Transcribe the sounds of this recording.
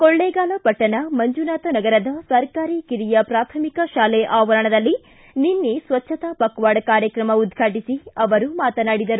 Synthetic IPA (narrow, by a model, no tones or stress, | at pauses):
koɭːeːɡaːlɐpɐʈːɐnɐmɐɲd͡ʒunaːt̪ɐnɐɡɐɾɐd̪ɐsɐɾkaːɾikiɾijɐpɾaːt̪ʰɐmikɐʃaːlɛʔaːʋɐɾɐɳɐd̪ɐlːi | ninːesʋɐtːʃɐt̪aːpɐkʋaːɖɐkaːɾjɐkɾɐmɐud̪ɡʱaːʈisiɐʋɐɾumaːt̪ɐnaːɽid̪ɐɾu